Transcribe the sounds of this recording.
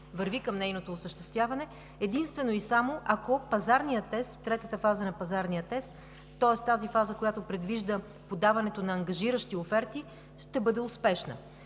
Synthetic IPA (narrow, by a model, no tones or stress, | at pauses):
vɐɾvikəmnɛjnot̪oːsəʃt̪ɛst̪vjavɐnɛ | ɛd̪inst̪vɛnoisamoʔɐkopɐzaɾnijət̪ːɛst̪ot̪ːɾɛt̪ət̪əfazənɐpɐzaɾnijət̪ɛst̪ː | ɔɛst̪azifazəkojat̪opɾɛd̪viʒd̪ə | pod̪avɐnɛt̪onɐːŋɡɐʒiɾəʃt̪iofɛɾt̪i | ʃt̪ɛbɤd̪ɛʊspɛʃnə̰